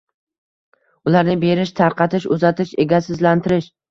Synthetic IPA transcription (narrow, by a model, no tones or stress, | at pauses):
ʊlaɾnɪbe̞ɾɪʃt̪ʰaɾqɑt̪ɪʃʊzat̪ɪʃe̞ɡʲasɪzlant̪ʰɪɾɪʃ